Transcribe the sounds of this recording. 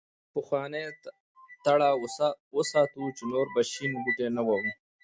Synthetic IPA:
pəxwɑne | t̪aɽawəsɑːt̪ut͡ʃenoɾbaʃinɡuʈenawawu

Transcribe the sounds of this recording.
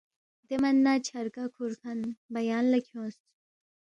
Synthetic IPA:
d̪emɐnːat͡ɕʰɐɾkakʰuɾkʰɐnbɐjaːnlɐkʰjõːst̪

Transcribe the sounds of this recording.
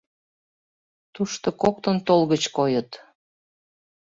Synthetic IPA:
t̪uʃt̪okok̚t̪ənt̪olɣət͡ɕkojət̪

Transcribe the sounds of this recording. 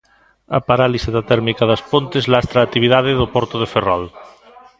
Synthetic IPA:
ɐ̰paɾaliseðat̪ɛɾmikaðɐspont̪ezlast̪ɾaːt̪ːiβ̞iðaðeðopɔɾt̪oðeferɔl

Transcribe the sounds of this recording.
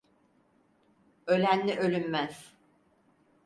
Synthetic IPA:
ø̞lʲænlʲiʔø̞lʲymmæz̥

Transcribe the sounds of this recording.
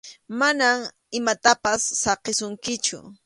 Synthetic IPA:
manam | ɪmat̪apasːɑqesʊŋkɪt͡ʃʊ̰

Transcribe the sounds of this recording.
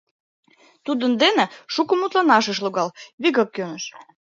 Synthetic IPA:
t̪ud̪ənd̪eneʃukə̆mut̪lɑnɑʃə̆ʃ̬luɣɑlβiɣəkːønəʃ

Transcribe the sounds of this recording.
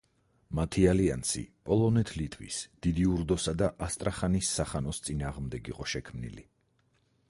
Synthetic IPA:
mat̪ʰialia̰nsḭpʼɔlˠɔnɛt̪ʰlit̪ʰwḭsd̪̥id̪iuɾd̪ɔsad̪aʔast̪ʼɾʔaχanisːaχanɔst̪sʼinaːʁmd̪ɛɡḭqʼɔʃɛkʰmnḭli

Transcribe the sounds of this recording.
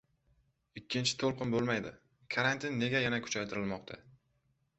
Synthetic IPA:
ɪkʲːɪnt͡ʃʰɪ̥t̪ʰolˠqɨnbolˠmajd̪ɪ | kʰaɾant̪ʰɪnːe̞ɡʲajanakʰʊ̥t͡ʃʰajt̪ʰɪɾɪlmɒqt̪ʰa̰

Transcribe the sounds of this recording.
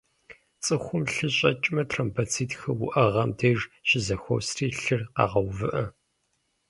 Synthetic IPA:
t͡sʼɨxʷʊmɬɨɕʼɐt͡ʃʼmɐtʰrɐmpʰɐt͡sʰiːtxɐwʊ̰ʔɐʁɐmdʰeʐɕɪzɐxʷo̰wsriːɬɨrqɑ̰ːʁɐwvɨʔɐ

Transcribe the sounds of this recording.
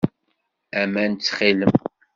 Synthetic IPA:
æmænt͡sːχiləm

